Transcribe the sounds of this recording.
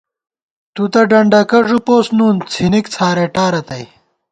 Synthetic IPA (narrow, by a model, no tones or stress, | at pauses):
t̪ut̪ɐɖɐɳɖɐkɐʐupoːsnuːnt͡sʰinikt͡sʰaːɾeʈaːɾɐt̪ɐj